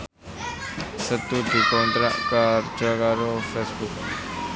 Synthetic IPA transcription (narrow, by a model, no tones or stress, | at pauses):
sət̪ːud̪ikont̪ɾaʔkaɾd͡ʒaɡaɾõfesbuk